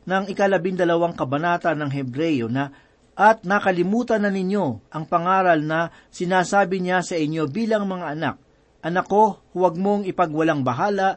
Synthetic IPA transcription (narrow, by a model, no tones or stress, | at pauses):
nɐŋɪkɐlɐbɪŋd̪ɐlɐwaŋkɐbɐnaːt̪ɐnːɐŋɦɛbɾɛjonɐ | ʔɐt̪̚nɐkɐlɪmuːt̪ɐnːɐnɪɲjo̞ʔɐŋpɐŋaːɾɐlnɐ | sɪnaːsaːbɪɲasɐʔɪɲjo̞biːlɐŋmɐŋaʔɐna̰k̚ | ʔɐnɐko̞hʊwɐɡ̚mo̞ŋɪpɐɡwɐlaŋbɐɦaːlɐʔ